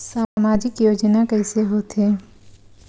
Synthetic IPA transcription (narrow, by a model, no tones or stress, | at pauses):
saːmaːd͡ʒɪkjoːd͡ʒnakɛɦseɦoːt̪ẽː